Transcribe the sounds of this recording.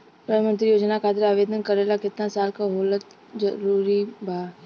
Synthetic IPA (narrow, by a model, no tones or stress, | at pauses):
pɾəmə̃nt̪ɾijoːd͡ʒnakʰaːt̪ɪɾaːʋeːd̪ʱənkɐɾeːlakɪt̪nãsaːlkaɦoːlət̪ | d͡ʒɐɾuːɾibʱaː